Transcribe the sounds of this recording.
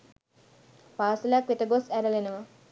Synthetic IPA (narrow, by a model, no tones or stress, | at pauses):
paːsəljakʋetəɡosæɾəlenəʋə